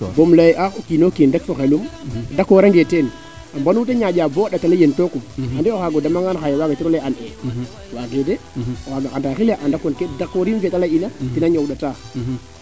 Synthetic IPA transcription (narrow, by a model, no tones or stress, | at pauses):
bomlajʔaxokinokiːndekfoxelumdakoɾaŋɡeten | ambanuteɲaɟabɔːɗatalajentokumhandɛoxaɡodamaŋɡanxajewaɡatiɾɔlɛane | waɡedeaɡandaxilaʔandakonkedakoɾimfetalainatinaɲowɗata